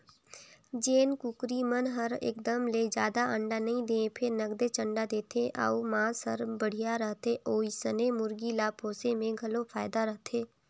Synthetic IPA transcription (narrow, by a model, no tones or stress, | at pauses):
d͡ʒeːnkʊkɾimənɦəɾɪ̰ːk̚d̪əmleːd͡ʒjaːd̪aʔə̃ɳɖanɐĩd̪eːẽpʰɪɾnəɡd̪et͡ʃə̃ɳɖad̪eːt̪ʰeʔa̰ːuːmãːsəɾbəɽ̤ijaɾəɦt̪ʰeʔoːisənemʊɾɡilaːpʰoːsemẽɡʱɐlopʰaːɪd̪aɾəɦt̪ʰeː